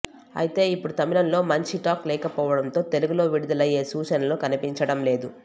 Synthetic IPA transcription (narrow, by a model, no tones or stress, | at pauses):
ɐ̰jit̪e̞ːipːuɽut̪ɐmilɐmlo̞ːmɐɲt͡ʃiʈaːklɛːkɐpɔːʋɐɽɐnt̪o̞ːt̪e̞luɡulo̞ːʋiɽud̪ɐlɐjːe̞ːsuːt͡ʃɐnɐlokɐnipiɲt͡ʃɐɽɐmle̞ːd̪u